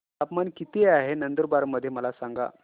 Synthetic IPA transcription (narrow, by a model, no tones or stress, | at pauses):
apmankit̪eaɦenənd̪əɾbaɾməd̪ʱːjeməlasaŋɡa̰